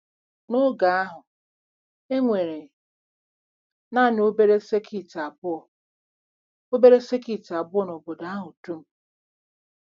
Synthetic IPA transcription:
no˦ɡa˨a˦ɦʊ˨ | e˦ŋʷe˨ɾe˨ | na˦˨n˦o˦be˦ɾe˦se˦kʰi˨ta˨bʊ˦ɔ˨ | o˦be˦ɾe˦se˦ki˨ta˨bʊ˦ɔ˦˨no˨bo˨da˦a˦ɦʊ˨tu˦m̩˦

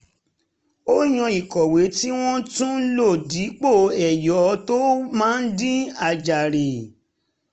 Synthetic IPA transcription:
o˦j̃ɔ̃˧i˨kɔ˨we˨˦ti˦w̃ɔ̃˦tũ˦lo˦˨di˨˦k͡po˦˨ɛ˨jɔ˨˦to˦mãː˦n̩˦dĩ˦a˧˨d͡ʒa˨ɾe˨

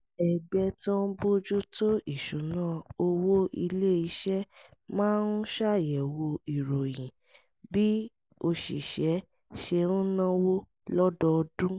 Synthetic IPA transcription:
ɛ˨ɡ͡bɛ˧tɔ̃˦n˦bo˦d͡ʒu˦to˦i˦˨ʃũ˨˦nãː˦˨o˧wo˦ʔi˧le˦i˧ʃɛ˦mãː˦n̩˦ʃa˦˨jɛ˨wo˧i˨ɾo˨jĩ˨ | bi˦ | o˧ʃḭ˨ʃɛ˨˦ | ʃe˧ñ̩˦nã˦wo˦ | lɔ˦dɔ˧dũ˦

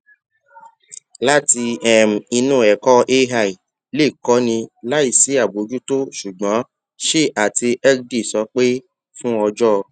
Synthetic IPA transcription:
la˦ti˧ɛ˨m̩˨i˧nũː˦˨ɛ˨kɔ˦ʔe˦ɦa˦˨i˨ | le˦˨kɔ˨˦nĩ˧la˦i˦˨si˨˦a˦˨bo˨˦d͡ʒu˦to˦ʃu˨ɡ͡bã˨˦ | ʃe˦˨a˨ti˧ɛ˦di˦˨sɔ˨˦k͡pe˦ | fũ˦ɔ˧d͡ʒɔ˦˧

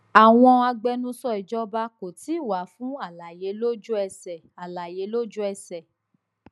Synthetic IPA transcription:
a˨w̃ɔ̃˧a˧ɡ͡bɛ˧nũ˦sɔ˦i˨d͡ʒɔ˦ba˦ko˨ti˨˦˨wa˨˦fũ˦a˦˨la˨je˨˦lo˦d͡ʒu˦ɛ˧sɛ˨a˨la˨je˨˦lo˦d͡ʒu˦ɛ˧sɛ˨

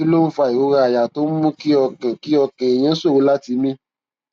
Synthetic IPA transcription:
i˦lo˦fa˧˨i˨ɾo˨˦ɾa˧a˨ja˨to˨˦mũ˦ki˦ɔ˧kɛ̃˨ki˦ɔ˧kɛ̃˨e˨j̃ɛ̃˦so˦˨wu˦la˦ti˧mĩ˦

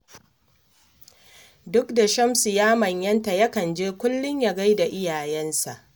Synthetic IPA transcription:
dʊ˦kda˨ʃɐ˦msu˨jaː˦mɐ˨ɲjɐ˦nta˨jɐ˦kɐ˨nd͡ʒeː˦kʷʊ˦lːʊ˦ɲja˨ɡa˦jda˨ʔɪ˦jaː˨jɛ˦nsa˨ʔ

